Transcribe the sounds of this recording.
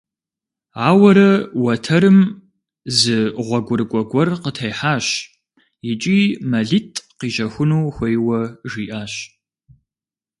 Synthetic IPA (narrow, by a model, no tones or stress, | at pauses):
aːwɐɾɐwɐtʰɐɾɨm | zɨʁʷɔɡʷʊrkʷʼɔɡʷɔrqətʰɐjħaːɕ | jɪt͡ʃʼiːmɐɮitʰʼqiːʒɐxʷʊnuːxʷejwɐʒiːʔaːɕ